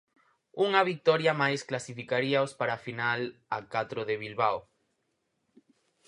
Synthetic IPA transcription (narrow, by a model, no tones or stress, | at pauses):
uŋɐβik̚t̪ɔɾjamajsklasifikaɾiaospaɾafinala̰kat̪ɾoðeβilβaw